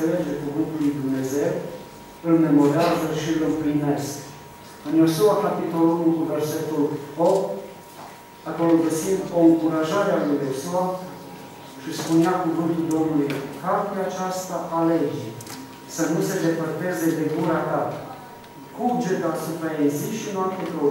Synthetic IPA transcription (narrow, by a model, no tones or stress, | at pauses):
ele̞d͡ʒe̞kuvɨnt̪ulujd̪umne̞ze̞w | ɨlne̞mo̞ɾeazəʃiɨlɨmplinesk | ɨnjo̞suakapit̪o̞lunulkuve̞rse̞t̪ulopt̪̚ | ak̪olɡəsind̪o̞ɨŋkuɾaʒaɾealujo̞sua | ʃispuneakuvɨnt̪uld̪o̞mnulujkart̪eat͡ʃast̪aʔale̞d͡ʒe | sənuse̞d̪e̞pərt̪e̞ze̞d̪e̞ɡuɾat̪a | kud͡ʒet̪asupɾajeziʃinapt̪et̪o